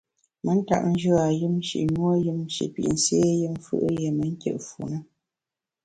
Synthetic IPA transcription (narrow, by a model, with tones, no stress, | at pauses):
mə˨˦n̩˦ta̰˦˨ʔn̩˦d͡ʒə˦a˨jɨ˦m̩˦ʃḭ˨ʔɲwo˦jɨ˦m̩˦ʃḭ˨ʔpḭ˨ʔn̩˦sje˦jɨ˦m˦fɨ̰˦ʔje˨mə˨˦ŋ̩˦kjə̰˦˨ʔfu˨nə˦